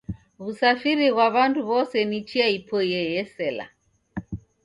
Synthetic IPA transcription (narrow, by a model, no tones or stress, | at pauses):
βusafiɾiɣwaβanduβɔsɛnit͡ʃiaipʰɔjɛjɛsɛla̰